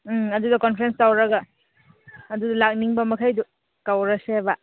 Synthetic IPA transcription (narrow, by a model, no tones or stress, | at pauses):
ɐdudɐkɔnpʰɾenstawɾaɡaː | dudalak̚niŋbɐmɐkʰajdu | kawɾaseba